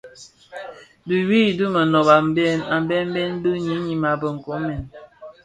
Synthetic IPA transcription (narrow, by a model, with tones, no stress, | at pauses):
du˨wi˦˨du˦mə˨nɔ˨ba˨m˦bɛ˦˨na˨m˨˦bɛ˦m̩˦bɛ˦n˦bɨ˦ɲi˨˦ɲi˨ma˨bə˨ŋ̩˨kɔ˨˦mɛ˨n